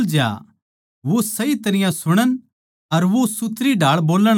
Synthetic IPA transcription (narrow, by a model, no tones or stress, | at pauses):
ld͡ʒa̰ | ʋosɐit̪ɐɾɪjãsʊɽ̃ən | ɐɾʋosʊt̪ɾiɖʱaːɭboːləɽ̃